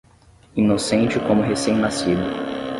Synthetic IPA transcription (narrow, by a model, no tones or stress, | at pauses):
inosẽnt͡ʃɪkõmʊɦesẽj̃nasid̪ʊ